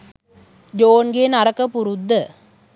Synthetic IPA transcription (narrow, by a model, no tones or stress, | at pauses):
d͡ʒoːnɡeːnɐɾɐkːɐpːuɾud̪ːɐ